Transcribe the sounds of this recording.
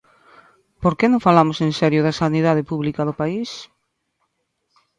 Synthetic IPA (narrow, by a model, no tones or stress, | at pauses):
poɾkenõŋfalamʊsẽnsɛɾjʊðasaniðað̞epuβlikaðʊpais